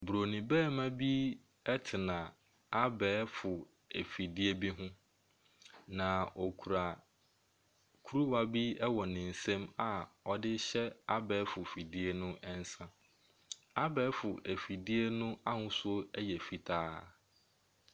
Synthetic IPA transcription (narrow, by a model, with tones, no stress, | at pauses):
bɾo˨nĩ˨bɛː˦˨mã˦bi˦ | ɛ˦tʰɪ˨nã˨ | a˦bɛː˨˦fʊ˨ | æ˨fi˨di˦e˦bi˦ɦʊ̃˦ | nã˨ɔ˨kʰu˨ɾa˨ | kʰu˦ɾu˦wa˦bi˦ɛ˦wɔ˨nɪ̃˨n̩˨sɛ̃˦ma˨ɔ˨dɪ˦ɕɛ˦a˦bɛː˨˦fʊ˨fi˨di˦e˦nʊ̃˦ʔɛ˦n˦sã˦ | a˦bɛː˨˦fʊ˨ʔæ˨fi˨di˦e˦nʊ̃˦a˦hʊ̃˦so˦ɛ˦jɛ˨fi˨tʰaː˦